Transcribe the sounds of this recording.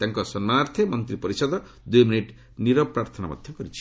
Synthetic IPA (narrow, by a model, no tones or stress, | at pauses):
t̪aŋkɔsɔnːaɾt̪ʰemɔnt̪ɾipɔɾisɔd̪ɔ | d̪ujminiʈ | niɾɔpɾaɾt̪ʰɔna̰mɔ̰d̪ʱjɔkɔɾit͡ʃʰi̥